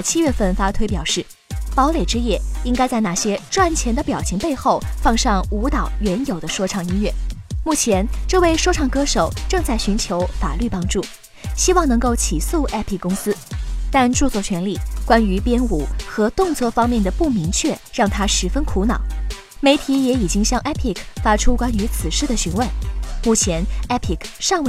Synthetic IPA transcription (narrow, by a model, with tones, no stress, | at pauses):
t͡ɕʰi˥ɥɛ˥˧fə˥˩nfa˥t̪ʰwe˥ɪpjɑ˨˩ʊʂɻ̩˥˩ | pɑ˧˥ʊle˨˩ɪʈ͡ʂɻ̩˥jɛ˥˩i˥ŋka˥ɪt͡sa˥˧ɪna˥˩ɕjɛ˥ʈ͡ʂwa˥˩nt͡ɕʰjɛ˧˥nd̪ə˧pjɑ˨˩ʊɕi˧˥ŋpe˥˧ɪxo˥˩ʊfɑ˥˧ŋʂɑ˥˩ŋu˧˥t̪ɑ˨˩ʊɥɛ˧˥njo˨˩d̪ə˦ʂwɔ˥ʈ͡ʂʰɑ˥˩ŋi˥nɥɛ˥˩mu˥˩t͡ɕʰjɛ˧˥nʈ͡ʂɤ˥˧we˥˧ɪʂwɔ˥ʈ͡ʂʰɑ˥˩ŋkɤ˥ʂo˨˩ʊʈ͡ʂɤ˥˧ŋt͡sa˥˩ɪɕy˧˥nt͡ɕʰjo˧˥ʊfa̰˨˩ly˥˩pɑ˥ŋʈ͡ʂu˥˩ | ɕi˥wɑ˥˩ŋnɤ˧˥ŋko˥˩ʊt͡ɕʰi˨˩su˥˩ʔɛ˥pʰi˨˩kːʊ˥ŋsɹ̩˥t̪a˥˧nʈ͡ʂu˥˧t͡swɔ˥˩t͡ɕʰɥɛ˧˥nli˥˩kwa˥ny˧˥pjɛ˥nu˨˩xɤ˧˥t̪ʊ˥˧ŋt͡swɔ˥˩fɑ˥ŋmjɛ˥˩nd̪ə˩pu˥˩mi˧˥ŋt͡ɕʰɥɛ˥˧ɻɑ˥˩ŋt̪ʰa˥ʂɻ̩˧˥fə˥nkʰu˧˥nɑ˨˩˦ʊ | me˧˥ɪt̪ʰi˧˥jɛ˧˥i˨˩t͡ɕi˥ŋɕjɑ˥˧ŋʔɛ˥pʰi˥˩kʰfa˥ʈ͡ʂʰu˥kwa˥ny˧˥t͡sʰɹ̩˨˩ʂɻ̩˥˩d̪ə˩ɕy˧˥nwə˥˩˦nmu˥˩t͡ɕʰjɛ˧˥nɛ˥pʰi˥˩kʰʂɑ˥˧ŋw